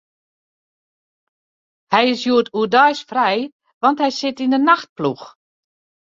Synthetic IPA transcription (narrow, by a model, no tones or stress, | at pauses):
hɛjɪsjuətuədœjsfrɛj | ʋɑnthɛjsɪtindənaxt̚plux